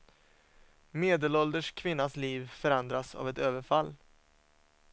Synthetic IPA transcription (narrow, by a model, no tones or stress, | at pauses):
meːd̪əlɔld̪əʂkʰvɪnːasliːvfœɾand̪ɾasa̰vɛt̪øːvəɾfalː